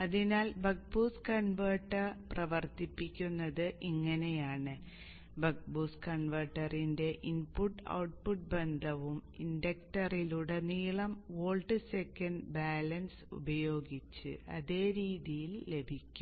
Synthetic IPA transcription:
ɐðinaːlbɐk̚buːskɐɳʋɐːʈːɐrprɐʋɐrt̪ipːikʲːunːɐðɨʔiŋːɐne̞jaːɳɨ | bɐk̚buːskɐɳʋɐːʈːɐrinde̞ʔinpuʈːɐ̰wʈ̚puʈ̚be̞nd̪ʱɐʋumindɐk̚ʈɐriluɽe̞niːɭɐmoːɭɖɨsekːɐnɖbaːlɐnsṵbɐjo̞ːɡit͡ɕːɨ̰ɐ̰ðe̞ːɾiːðijilːe̞bʱikʲːum

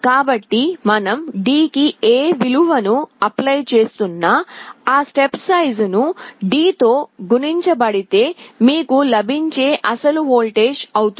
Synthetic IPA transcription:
kaːbɐʈːimɐnɐmɖiːkieːʋiluʋɐnuɐplɐjt͡ʃe̞ːst̪unːaːaːsʈepsɐjznuɖiːt̪o̞ːɡuniɲt͡ʃɐbɐɽit̪e̞ːmiːkulɐbʱiɲt͡ʃeːʔɐsɐluɦoːlʈe̞ːʃɐwut̪u

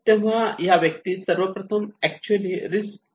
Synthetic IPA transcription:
t̪ẽʋ̤ãjaʋjəkt̪iːsəɾʋəpɾɐt̪ʰəmɛk̚t͡ɕuəliɾis

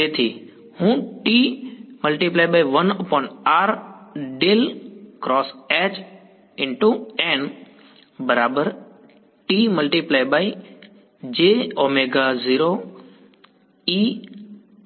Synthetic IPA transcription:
eːt̪ʰiː | hũːʈiːmɐlʈiplaːɪɓaːiʋənpɔ̃ɪ̃ɳʈaːɾɖelkɾɔːsɛːt͡ʃ | ɪ̃ɳʈuɛ̃ːn | bɐɾaːbəɾ | ʈiːməlʈiplaːɪɓaːi | d͡ʑeːoːmeɡaziːɾo | iː

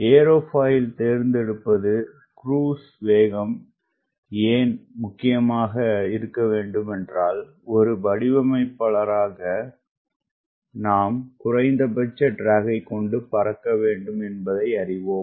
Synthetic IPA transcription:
eːɾoːfaːjɪlt̪eːɾnd̪ɛɽɯpːɐðɯ | kɾuːs | ʋeːɣɐm | eːnmʊkːɪjɐmaːɣɐɪɾɯkːɐʋeːɳɖɯmɛndraːl | ɔɾɯbɐɽɪʋɐmɐɪpːɐɭɐɾaːɣɐ | naːmkʊrɐɪnd̪ɐbɐt͡ʃːɐɖɾaːɣɐɪkːɔɳɖɯpɐɾɐkːɐʋeːɳɖɯmɛnbɐðɐɪɐɾɪʋoːm

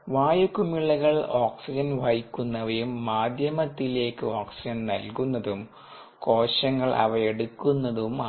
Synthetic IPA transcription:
ʋaːjukːumiɭːɐɣɐɭoːksid͡ʑɐnʋɐjikʲːunːɐʋɐjumːaːd̪ʱjɐmɐt̪ːile̞ːkːɨoːksid͡ʑɐnnɐ̰lkunːɐðum | ko̞ːɕɐŋːɐɭʔɐ̰ʋɐjeɽukːunːɐðum

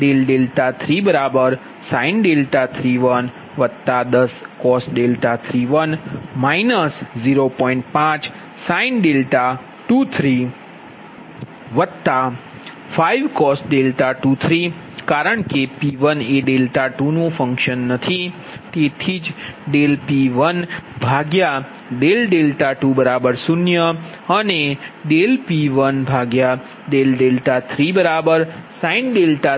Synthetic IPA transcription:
ɖelɖelʈat̪ʰɾibəɾabəɾ | sainɖelʈat̪ʰɾiʋən | ʋət̪ad̪əskɔsɖelʈat̪ʰɾiʋənmainəsziɾopɔ̃iɳʈ̚pãt͡ʃ | sainɖelʈa | ʈut̪ʰɾi | ʋət̪a | faiʋkɔsɖelʈaʈut̪ʰɾi | kaɾəɳkepiʋəneɖelʈaʈunũfə̃ŋkʃənːət̪ʰi | t̪et̪ʰid͡ʒɖelpiʋənbʱaɡja | ɖelɖelʈaʈubəɾabəɾsunjə | əneɖelpiʋənbʱaɡja | ɖelɖelʈat̪ʰɾibəɾabəɾsãĩnɖelʈa

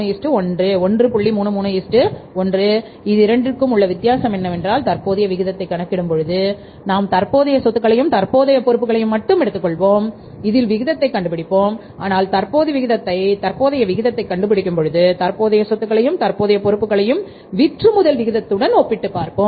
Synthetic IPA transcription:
jisʈɯɔndrɯɔndrɯpʊɭːimuːɳɯmuːnɐjisʈɯɔndrɯ | ɪðɯɪɾɐɳɖrɯkːɯmʊɭːɐʋɪt̪ːɪjaːsɐmɛnːɐʋɛndraːlt̪ɐɾpoːðɐjɐʋɪɣɪðɐt̪ːɐɪkːɐɳɐkːɪɽɯmpɔɻɯðɯ | naːmt̪ɐɾpoːðɐjɐsɔt̪ːɯkːɐɭɐjɯmt̪ɐɾpoːðɐjɐpɔɾɯpːɯɣɐɭɐjɯmːɐʈːɯmɛɽɯt̪ːɯkːɔɭʋoːm | ɪðɪlʋɪɣɪðɐt̪ːɐɪkːɐɳɖɯpːɪɽɪpːoːm | aːnaːlt̪ɐɾpoːðiʋɪɣɪðɐt̪ːɐɪt̪ɐɾpoːðɐjɐʋɪɣɪðɐt̪ːɐɪkːɐɳɖɯpːɪɽɪkʲːɯmpɔɻɯðɯt̪ɐrpoːðɐjɐsɔt̪ːɯkːɐɭɐjɯmt̪ɐɾpoːðɐjɐpɔɾɯpːɯkːɐɭɐjɯm | ʋɪʈrɯmʊðɐlʋɪɣɪðɐt̪ːɯɽɐnoːpːɪʈːɯpːaːɾpoː

